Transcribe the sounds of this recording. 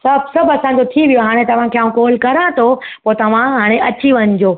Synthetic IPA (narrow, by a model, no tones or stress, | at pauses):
sɐbʱsɐbɐsãːd͡ʑot̪ʰiʋijoɦaːɽ̃et̪ɐʋ̤ãkʰeːaːũkɔːlkɐɾãt̪ʰopoːt̪ɐʋ̤ãɦaːɽ̃eɐt͡ɕiʋɐɲd͡ʑoː